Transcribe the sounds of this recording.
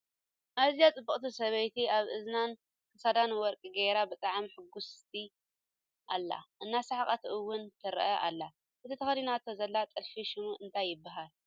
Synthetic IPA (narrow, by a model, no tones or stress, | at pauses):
ʔaβzijat͡sʼɨbːɨχʼt̪ʰisɐβɐjt̪ʰiaβɨznan | kʰɐsad̪anwɔɾkʼiɡejɾabɨt̪ʼaʕmħɨɡːʊst̪ʰi | ʔa̰lːa̰ʔɨnːasaħakʼɐt̪ʰʔɨwːʊnt̪ʰɨɾ̰ʔɐʔa̰lːa | kɨt̪ʰɨt̪ʰɐxɐlinat̪ʰːozɐlːat̪ʼɨlfiʃɪmuʔɨnt̪ʰajːɪbːaɦal